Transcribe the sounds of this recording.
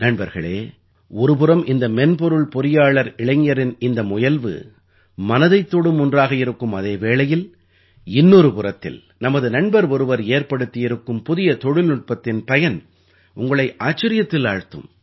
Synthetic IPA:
nɐɳbɐɾɣɐɭḛː | ɔɾɯp̬ɯrɐmʔɪnd̪ɐmɛnpɔɾɯɭpɔɾɪjaːɭɐɾɪɭɐŋɐɾɪnɪnd̪ɐmʊjɐlʋɯ̰ | mɐnɐðɐɪt̪ːoːɽɯmʊndraːɣɐɪɾɯkːɯmɐðeːʋeːɭɐjɪl | ɪnːɔɾɯpʊrɐt̪ːɪ̰l | nɐmɐðɯnɐɳbɐɾɔɾɯʋɐɾeːɾpɐɽɯt̪ːɪjɪɾɯkːɯmpʊðɪjɐt̪ɔɻɪlnʊʈ̚pɐt̪ːɪnpɐjɐn | ʊŋɡɐɭɐɪʔaːt͡ʃːɐɾɪjɐt̪ːɪlaːɻt̪ːɯ̰m

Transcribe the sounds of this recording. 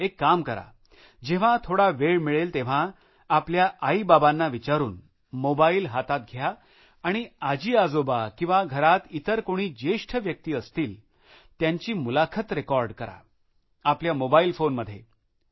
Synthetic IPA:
ekːamkəɾa̰ | d͡ʑeʋ̤ãt̪ʰoɽaʋeɭmiɭelt̪eʋ̤a | apljaʔaibabanːaʋit͡ɕaɾuːn | mobailɦat̪at̪̚ɡʱjaː | ɽ̃iad͡ʑiːad͡zobakĩw̃ʋaɡʱəɾat̪it̪əɾkoɽ̃iːd͡ʑeʂʈʰəʋjək̚t̪iːəst̪iːl | t̪jaɲt͡ɕiːmulakʰət̪ɾekɔɾɖkəɾa̰ | apljamobailfonməd̪ʱːje

